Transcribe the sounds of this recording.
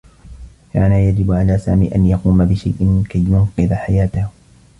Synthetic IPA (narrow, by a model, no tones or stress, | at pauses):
kaːnajad͡ʒɪbʕalaːsa̰ːmḭːʔanjɑquːmabɪʃajʔɪmɪnkajːʊnqɨðaħajaːt̪ah